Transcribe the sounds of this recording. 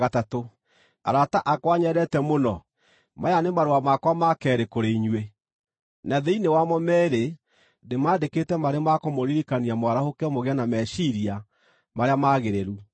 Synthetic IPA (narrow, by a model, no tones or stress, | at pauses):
atato | a̰ɾataʔakwaɲɛɾɛtɛmonɔ | majanemaɾoamakwamakɛːɾekoɾeiɲwe | naðɛinewamɔmɛːɾe | nemaːdeketɛmaɾemakɔmoɾiɾikaniamwaɾahokɛmoɣeanamɛʃiɾia | maɾeamaɣeɾeɾu